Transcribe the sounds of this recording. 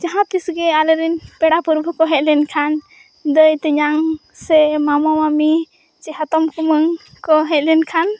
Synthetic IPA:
d͡ʒaɦãp̪isɡɛaləɾinpɛɽapuɾbʱukɔɦɛc̪̚ˀlɛnkʰan | d̪əjt̪ɛɲaŋ | sɛmamamami | t͡ʃɛɦat̪ɔmkuməŋ | kɔɦɛc̪̚ˀlɛnkʰan

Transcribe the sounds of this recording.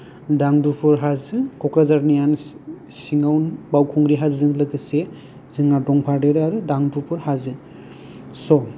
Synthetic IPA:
daŋdupʰɔɾɦazɯkɔkɾazaɾnijansiŋawnbawkʰɔŋɡɾiɦazzɯŋlaɡɯse | zɯŋadɔŋpʰaɾdeɾɯaɾudaŋdupʰɔɾhazɯ | sɔ

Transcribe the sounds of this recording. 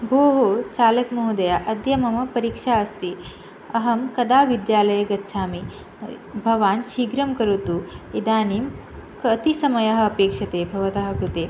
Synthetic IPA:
bʱoːɦot͡ʃaːlɐkmɐɦud̪ɐjaʔɐd̪jɐmɐmɐpɐɾikʂaɐst̪i | ɐɦɐmkɐd̪aːʋid̪jaːlɐjɐɡɐtːʃʰaːmi | bʱɐʋaːnʃiːɡɾɐmkɐɾut̪uid̪aːniːm | kɐt̪isɐmɐjɐɦɐ̆ːpeːkʂɐt̪eːbʱɐʋɐt̪ɐɦɐ̆kɾut̪eː

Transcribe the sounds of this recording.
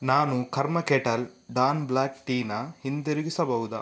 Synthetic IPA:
naːnukʰɐɾmɐkeʈɐlɖaːnblaːkʈiːnɐhind̪eɾuɡisɐbɐwud̪ɐ̰

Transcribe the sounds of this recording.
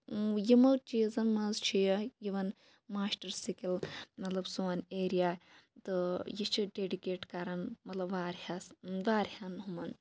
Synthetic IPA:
jimɐt͡ʃiːzɐnmɐnzt͡ʃʰijɐjiʋɐn | maːsʈɐɾsikilmɐt̪lɐbsuɐneːɾijaːt̪ɨjit͡ʃʰiɖeːɖikeːʈkɐɾɐnmɐt̪lɐbʋaːɾhasʋaːɾhanɦumɐn

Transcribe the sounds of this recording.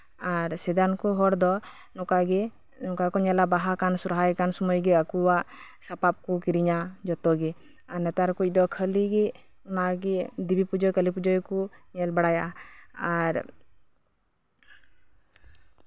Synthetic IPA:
aɾsɛd̪ankɔɦɔɽd̪ɔ | nɔkaɡɛ | nɔkakɔɲɛlabaɦakansuɾɦajkansɔmɔjɡɛakuwasapap̚kukiɾiɲad͡ʒɔt̪ɔɡɛ | anɛt̪aɾkuc̚ˀd̪ɔkʰəliɡɛ | unaɡɛd̪ibipud͡ʒɔjkəlipud͡ʒɔjkuɲɛlbaɽajaaɾ

